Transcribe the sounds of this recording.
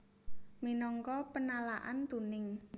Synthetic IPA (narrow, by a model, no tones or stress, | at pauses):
minɔŋkɔpənalaʔa̰nt̪unɪŋ